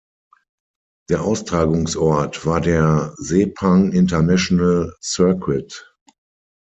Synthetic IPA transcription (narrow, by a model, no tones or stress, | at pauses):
d̥eːɐʔaʊstʁ̥aːɡʊŋsʔɔɐtv̥aːɐdeːɐzeːpʰãŋɪntɐnɛʃonəlsɜɐkwɪt